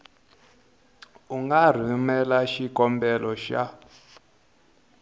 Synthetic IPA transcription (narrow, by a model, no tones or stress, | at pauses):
uŋɡar̤imɛlaʃikʼɔmbɛlɔʃa̰